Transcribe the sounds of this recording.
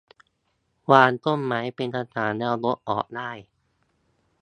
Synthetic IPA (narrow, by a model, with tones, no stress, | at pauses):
waː˧nt̪o˥˩˨mːaː˩˥jpe˧nt̪ʰa˧t̪ʰaː˨˩˦nlɛː˧wlo˦˥t̚ʔɔː˨˩k̚daː˥˩j